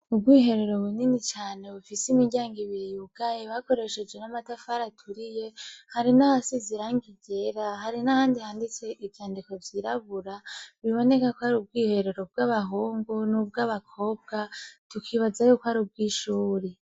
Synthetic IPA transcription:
ubɡwiːɦe̞ɾeɾo̞βuninit͡ʃaːne̞βufisimiɟaːŋɡiβijuɡ̥ajeβako̞ɾe̞ʃe̞d͡ʒɡwe̞namatafaɾatʰuɾije̞haɾinahasiziɾaŋɡiɟe̞ɾaɦaɾinahaːndihaːndit͡se̞ʔivjaːndiko̞vjiɾaβuɾaβiβo̞ne̞kakoaɾub̚ɡiːhe̞ɾeɾob̚ɡaβaɦoːŋɡonubɡaβakʰo̞ːb̚ɡatukʰiβazajukoaɾub̚ɡiːʃuːɾe

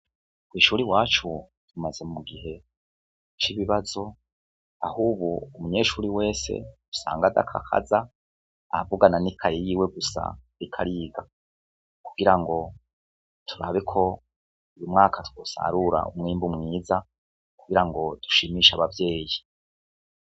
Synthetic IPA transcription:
kwiːʃuːɾiwaːt͡ʃu | d̥umaze̞mumuɡiɦe̞ | t͡ʃiβiβazo̞ | a̰huːβuumuɲe̞ːʃuːɾiwe̞ːse̞̰̥ | u̥sa̰ːŋɡada̰kʰa̰kʰa̰zaː | vuɡananikʰaɾijiːwe̞ɡusa̰ɾikʰaɾiːɡa | ku̥ɡiɾaŋɡo̞ | tʰuɾaβekʰo̞ | ujumŋaːkʰatwosa̰ɾuɾa̰ṵmŋiːmbumŋiːza | kuɡiɾaŋɡo̞d̥u̥ʃimiːʃaβavje̞ːji

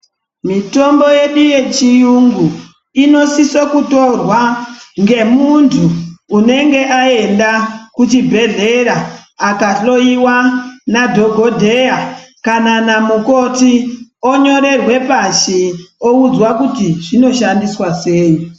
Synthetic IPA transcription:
mito̞mbo̞je̞ɗuje̞t͡ʃiuŋɡu | ino̞sisokuto̞rwaŋɡe̞muntʰuːne̞ŋɡe̞ʔae̞ndakut͡ʃibʱe̞ɮe̞ɾaːkaɬo̞iwanadʱo̞ɡʱo̞dʱe̞akananamuko̞tioɲo̞ɾe̞rwe̞paʃio̞ud͡zwakutiʐino̞ʃandiswase̞ːi

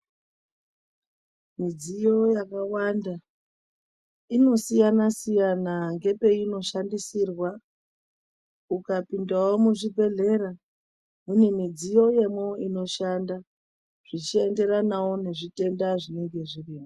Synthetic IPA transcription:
mid͡zijo̞jakawanda | ino̞sijanasijanaŋɡe̞pe̞ino̞ʃandisirwa | ukapindawo̞muʐibʱe̞ɮe̞ɾa | munemid͡zijo̞je̞mwo̞ino̞ʃanda | ʐ̥it͡ʃie̞nde̞ɾanawone̞ʐite̞ndaʐine̞ŋɡe̞ʐiriːmo

